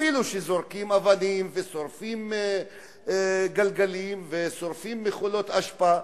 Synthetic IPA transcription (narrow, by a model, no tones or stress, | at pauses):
iluʃezo̞ʁkimavanimveso̞ɾfim | ɡalɡalimveso̞ɾfimːeχulo̞t̪aʃpa